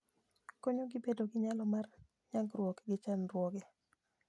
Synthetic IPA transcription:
koɲoɡɪbedoɡɪɲalɔmar | ɲaɡrwɔkɡɪt͡ʃanrwɔɡɛ

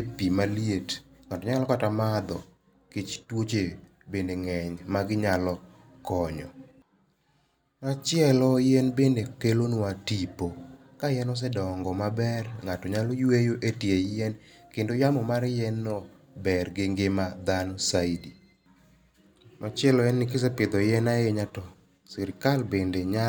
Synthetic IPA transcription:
epimaljetŋatɔɲalɔkatamad̪ɔ | kɪt͡ʃtwot͡ʃe | bendeŋɛɲmaɡɪɲalɔ | kɔɲɔ̰ | mat͡ʃɪɛlɔjɛnbendekelonatipo | kajɛnɔs̬ɛdɔŋɡɔmabɛrŋatɔɲalɔjwejoʔetjejɛnkendojamɔmaɾjɛnːɔ | bɛrɡɪŋɡemad̪anɔsaidi | mʔat͡ʃɪɛlɔɛnːɪkɪs̬ɛpɪd̪ɔjɛnaeɲatɔ | siɾkalbendeɲa

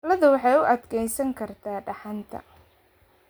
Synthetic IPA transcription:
lɐðʊwɑħɑjʊʔɐd̪kʰɛjsɐŋkʰɐrt̪ʰaːɖɑħɑnt̪ʰɐ̰

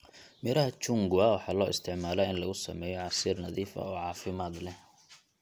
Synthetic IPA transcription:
mɪɾɐɦɐt͡ʃʊŋɡʊɐwɑħɑːlɔːʔɪ̰st̪ʰɪʕmaːlɐɪnlɐɣʊsɐmɛːjɔʕɑsiːrnɐðiːfɐ̰ɔːʕɑːfɪmaːd̪lɛ

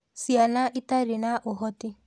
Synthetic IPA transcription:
sianaʔitaɾinaʔoɦɔti

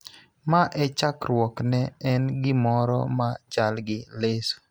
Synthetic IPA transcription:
maʔɛt͡ʃakɾwɔknɛɛnɡɪmɔɾɔ̰mat͡ʃalɡɪles

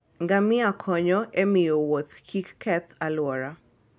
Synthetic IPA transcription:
ŋɡamɪakʰɔɲɔʔemɪowot̪kʰikkɛt̪alwɔɾa

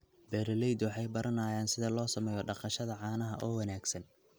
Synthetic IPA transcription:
bɛːɾɐlɛjd̪wɑħɑjbɐɾʔɐnaːjaːnsɪðɐlɔːsɐmɛːjɔɖɑqɑʃɐðɐʕɑːnɐɦɐʔɔːwɑnaːɡsɐn

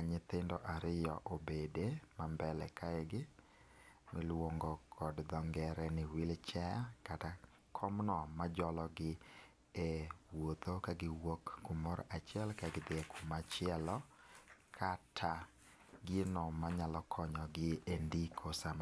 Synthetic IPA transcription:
aɲɪt̪ɪndɔʔaɾɪjɔ̰ʔobedemambɛlɛ̰kaɛɡɪ | mɪlwoŋɡɔkʰɔdd̪ɔŋɡɛɾɛnɪwɪlt͡ʃɛjakata | kʰɔmnɔmad͡ʒɔlɔɡɪ | ewot̪okaɡɪwokːumoɾʔat͡ʃjɛlkaɡɪd̪ekʰumat͡ʃɪɛlɔkʰatʰa | ɡɪnɔmaɲalɔkʰɔɲɔɡɪendikʰosam

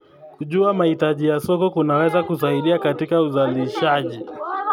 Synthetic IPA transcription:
kuʄuamahitaʄijasɔkɔkunawɛzakus̬aiɗiakatikauzaliʃaʄi

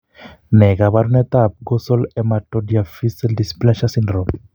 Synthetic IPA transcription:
nɛkaβaɾunɛt̪ap̚kɔsɔlɛmatɔdiafisɛldisi̥planʃasinrɔm

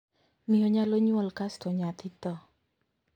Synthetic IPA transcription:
nijɔɲaloɲuəlkasd̪̥o̤ɲat̪it̪ɔ

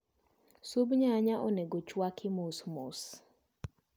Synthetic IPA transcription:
subɲaɲaʔoneɡot͡ʃwakʰɪmosmos

